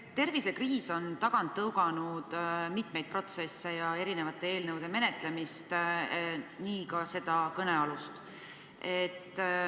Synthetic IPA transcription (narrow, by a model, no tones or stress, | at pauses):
t̪ːe̞rvise̞kriːso̞nt̪ɑɡ̥ɑnt̪ːɤwɡ̥ɑnud̪̥mit̪me̞jd̪̥̚pro̞t̪se̞sːe̞jɑe̞ɾine̞vɑt̪ːˑee̞ːlnɤwd̪̥e̞me̞ne̞t̪le̞mist̪ | niːkɑse̞d̪̥ɑkɤne̞ɑlust̪ | e̞t̪ː